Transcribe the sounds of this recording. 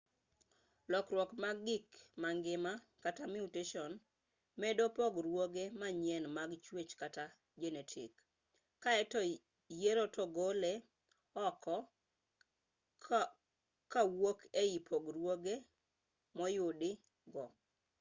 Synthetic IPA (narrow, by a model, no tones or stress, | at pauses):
lɔkɾwɔkmaɡɡɪkmaŋɡɪma | katamiuteʃɔn | mɛdopɔɡɾwoɡemaɲjɛnmaɡt͡ʃwet͡ʃkata | d͡ʒenetʰɪ̰kː | aɛt | jeɾotɔɡole | ɔkɔ | kawokʰeipʰoɡɾwoɡe | mɔjʊdɪ | ɡɔ